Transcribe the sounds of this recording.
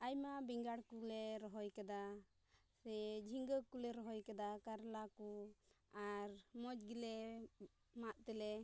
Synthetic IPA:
ajmabiŋɡaɽkulɛɾɔɦɔjkad̪a | sɛd͡ʒʱiŋɡəkulɛɾɔɦɔjkad̪akaɾlakuaɾmɔd͡ʒɡilɛ | maʔt̪ɛlɛ

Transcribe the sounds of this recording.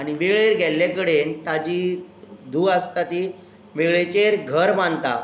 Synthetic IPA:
aɽ̃iʋeɭeɾɡʱɛljakəɽent̪ad͡ʑiːd̪ʱuːast̪at̪i | ʋeɭet͡ɕeɾɡʱəɾmant̪a̰

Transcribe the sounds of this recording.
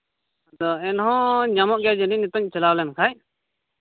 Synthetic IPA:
d̪ɔɛnɦɔ̃ɲamɔʔɡjad͡ʒəninit̪ɔɲt͡ʃɛlawlɛnkʰaj

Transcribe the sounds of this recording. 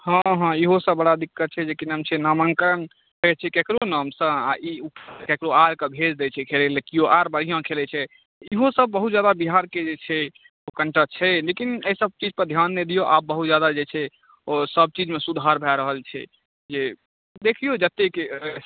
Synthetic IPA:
hãɦãiɦosəbbəɽad̪ikːət̪̚t͡ʃʰɛd͡ʒekinəmt͡ʃʰɛnaməŋkəɾən | ɦoet͡ʃʰɛkekɾonəmsə̃a̰ʔiupʰkekɾoaɾkəbʱed͡ʒd̪ɛt͡ʃʰɛkʰelɛlekijoʔaɾbəɽ̤ijãkʰelɛt͡ʃʰɛ | iɦosəb̚ːəɦut̪̚d͡ʒjad̪abiɦaɾked͡ʒet͡ʃʰɛ | okəɳʈət͡ʃʰɛlekineisəb̚t͡ʃid͡ʒpəɾd̪ʱjanːed̪ijoʔa̰b̚bːəɦut̪̚d͡ʒjad̪ad͡ʒet͡ʃʰɛ | osəb̚t͡ʃid͡ʒmesud̪ʱaɾbʱɛɾəɦəlt͡ʃʰɛ̰ | d͡ʒe | d̪ekʰijod͡ʒət̪ːeke

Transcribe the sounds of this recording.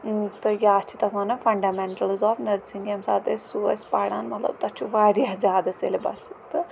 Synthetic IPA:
t̪ɨjaɐt͡ʃʰit̪ɐfaːnɐfɐɳɖameɳʈɐlzɔːfnɐɾsiŋɡjɐmsa̰ːt̪ɐsuɐ̰spaːɽa̰ːnmɐt̪lɐ̰b̚t̪ɐt͡ʃʰuʋaːɾijazʲaːd̪ɐsḛlebɐ̰sut̪ɨ

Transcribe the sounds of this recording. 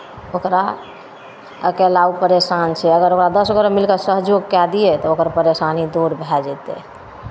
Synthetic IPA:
okɾa | əkɛlaupəɾesant͡ʃʰɛəɡəɾokɾad̪əsɡoɾəmilkəsəɦd͡ʒoɡkɛd̪iɛt̪ɔokəɾpəɾesanid̪oɾbʱɛd͡ʒɛt̪ɛ̰

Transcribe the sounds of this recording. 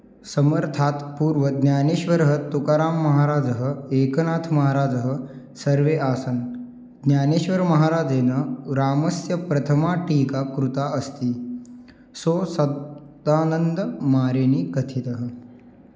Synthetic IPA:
sɐməɾt̪ʰaːt̪puːɾʋəd̪nʲjaːneːʃʋɐɾɦət̪ukaːɾaːmːɐɦaːɾaːd͡zɐɦəeːkɐnaːt̪ʰmɐɦaːɾaːd͡zɐɦə̆ | sɐɾʋeːʔaːsɐn | d̪njaːneːʃʋɐɾmɐɦaːɾaːd͡ʒeːnɐɾaːmɐsjɐpɾɐt̪ʰəmaːʈiːkakɾut̪aʔɐst̪iː | soːsɐaːnənd̪əmaːɾeniːkɐt̪ʰit̪ɐɦə̆

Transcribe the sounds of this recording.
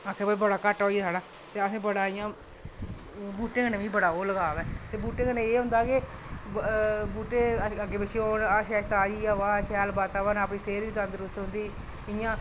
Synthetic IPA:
əkʰːeːbabəɽaːkəʈːɦoːiɛːsʰaːɽaː | t̪eːəsẽːbəɽaːɪjãː | buːʈːẽːkəneːʋĩːbəɽaːoːləɡaːʋɛːt̪eːbuːʈẽːkənẽeːɦʊ̃nd̪aːke | buːʈeːəɡeːbət͡ʃʰioːnaʃɛːʃt̪aːd͡ʒiːaːʋaːʃɛːlbaːt̪aːʋənəːpɳiːseːɾiːt̪ə̃nd̪əɾʊst̪ɦʊ̃nd̪iː | ɪjãː

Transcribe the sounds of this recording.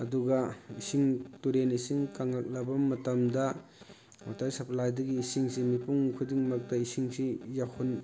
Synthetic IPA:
ɐduɡɐisiŋtuɾenisiŋkaŋak̚lɐbɐmɐtɐmdɐ | matajsɐplajdɐɡiːsiŋsimipuŋkʰudiŋmɐk̚tɐisiŋsijahʰun

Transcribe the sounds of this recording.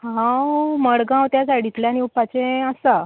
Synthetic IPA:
hãwməɽɡãwt̪jasaɽit̪ljañiupat͡sẽəsa

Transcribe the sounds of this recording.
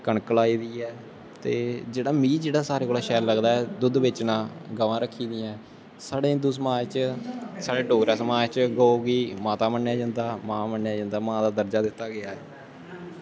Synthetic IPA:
kəɳkəlaːiːd̪iːɛː | t̪ḛːd͡ʒeːɽaːmĩːd͡ʒeːɽaːsaːɾeːkoːlaːʃɛːlləɡd̪aːɛːd̪ʊd̪ʋɪt͡ʃnãːɡəʋãːɾəkʰːiːd̪ɪjɛ̃ː | saːɽẽːɪ̃nd̪uːsəmaːd͡ʒt͡ʃsaːɽeːɖoːɡɾaːsəmaːd͡ʒt͡ʃɡəoːɡiːmaːt̪aːmənːjaːd͡ʒãːnd̪aːmãːmənːjaːd͡ʒə̃ːnd̪aːmãːd̪aːd̪əɾd͡ʒaːd̪ɪt̪ːaːɡɪaːɛː

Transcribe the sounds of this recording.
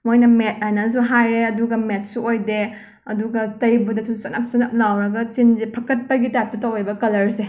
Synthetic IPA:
mojnɐmet̚ajnɐs̬uɦajɾeɐduɡɐmet̚ʰsuojde | ɐ̰duɡɐtɐjbudɐsusɐnɐp̚sɐnɐp̚lawɾɐɡɐt͡ʃinzepʰɐkɐt̚pɐɡitap̚tɐtɐwebɐkɐlɐɾse

